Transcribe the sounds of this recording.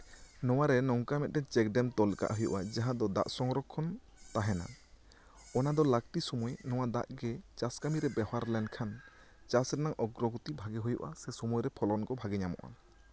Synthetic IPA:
nɔwaɾɛnɔŋkamɛt̪̚ˀɖɛt͡ʃɛkɖɛmt̪ɔlka̰ʔɦujṵʔad͡ʒaɦãd̪ɔd̪a̰ʔsɔŋɾɔkʰːɔn | t̪aɦɛna̰ | ɔnad̪ɔlak̚ʈisɔmujenɔwad̪a̰ʔɡɛt͡ʃaskamiɾɛbɛhaɾlɛɳɖkʰan | t͡ʃasɾɛnaŋʔɔɡɾɔɡut̪ibʱaɡɛɦujṵʔa̰sɛsɔmujɾɛpʰɔlɔnkɔbʱaɡɛɲamɔ̰ʔa̰

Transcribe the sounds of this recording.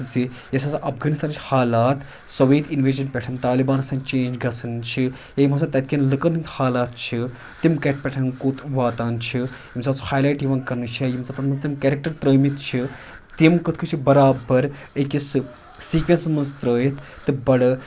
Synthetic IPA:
zi | jɐsaːsʔɐfɡaːnist̪aːnt͡ʃʰʲihaːlaːt̪ | sɐʋeːt̪inʋeːd͡ʒɐnpʲɛʈʰɐnt̪aːlibaːnɐsaːnt͡ʃẽːnd͡ʒɡɐsʰɐnt͡ʃʰi | jajimɐnsat̪ɐt̪̚kʲenlɨkəninzhaːlaːt̪̚t͡ʃʰi | t̪imkeʈ̚ʰpʲɛʈʰɐnkoːt̪ʋaːt̪aːnt͡ʃʰi | jimt͡saːt͡su̥haːjlaːjʈjiʋɐnkɐɾnɨt͡ʃʰajimt͡sat̪ɐt̪mɐnzt̪imkeːɾik̚ʈɐɾt̪ɾəːmit̪t͡ʃʰi | t̪imkɨt̪ʰkʰɨt͡ʃʰibɐɾaːbɐɾ | ekisɨ | siːkʋʲensmɐnzt̪ɾəːjit̪ʰt̪ːɨbɐɽɐ

